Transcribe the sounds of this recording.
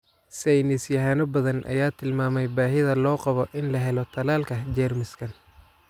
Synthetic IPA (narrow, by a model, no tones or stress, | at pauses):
sɛjnɪsjɐɦaːnɔbɐðɐnʔɐ̰jaːt̪ʰɪlmaːmɛjbaːɦɪðɐlɔːqɑβɔʔɪnlɐɦɛlɔt̪ʰɐlaːlkʰɐd͡ʒɛːrmɪskʰɐn